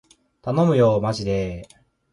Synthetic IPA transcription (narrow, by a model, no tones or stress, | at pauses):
t̪ano̞mɯ̟jo̞ːmaʑid̪e